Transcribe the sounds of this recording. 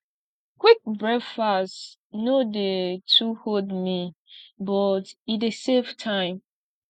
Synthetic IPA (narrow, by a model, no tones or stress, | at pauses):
kwik̚bɹɛdfas | nodetʰuhodmibɔtideseftʰãɪ̃m